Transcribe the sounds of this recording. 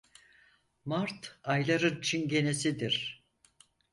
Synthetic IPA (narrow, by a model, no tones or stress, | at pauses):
maɾt̪ʰajlˠaɾɯnt͡ʃʰinɟe̞nesid̪iɾ̥